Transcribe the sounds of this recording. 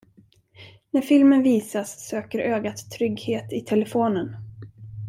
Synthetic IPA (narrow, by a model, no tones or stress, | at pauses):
næɾfɪlmənviːsasːøːkəɾʔøːɡat̪ʰːɾʏɡheːt̪ɪt̪ʰɛlɛfoːnən